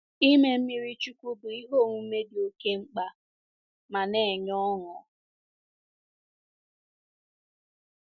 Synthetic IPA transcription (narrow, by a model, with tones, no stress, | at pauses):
i˦me˦m̩˦mi˦ɾi˦t͡ʃu˦kʷu˦bʊ˨i˦ɦo˦˨ŋʷu˦m̩˦me˦di˨o˨ke˦ŋ͡m̩˦k͡pa˨ | ma˨ne˨ɲɔ˦ŋɔ˨